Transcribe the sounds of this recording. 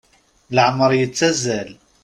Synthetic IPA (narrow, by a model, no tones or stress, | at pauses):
laʕmɑɾˤjət͡sːæzːæl